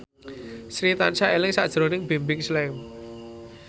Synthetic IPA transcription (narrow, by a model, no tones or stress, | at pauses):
sɾit̪ansaʔelɪŋsa̰ʔd̥ʒ̥ɾo̤nɪŋb̥e̤mbɪŋslɛm